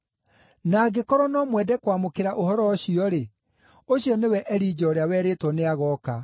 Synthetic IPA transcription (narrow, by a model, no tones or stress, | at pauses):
naːɡekɔɾɔnɔmwɛdɛkwamokeɾaʔoɦɔɾɔːɕiɔɾe | oɕiɔnewɛʔɛɾiːd͡ʑɔoɾeawɛɾetwɔneaɣɔːka